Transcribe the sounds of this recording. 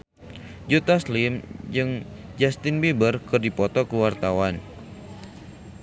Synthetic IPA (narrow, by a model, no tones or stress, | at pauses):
d͡ʒut̪aslɪmd͡ʒɨŋ | d͡ʒast̪ɪnbibərkɨrdipɔt̪ɔkuwart̪awan